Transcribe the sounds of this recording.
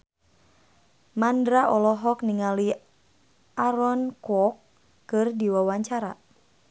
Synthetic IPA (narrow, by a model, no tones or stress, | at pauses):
mandɾaʔɔlɔɦɔk̚niŋali | ʔaɾɔnkwɔkː | ɨrdiwawaɲt͡ʃaɾa̰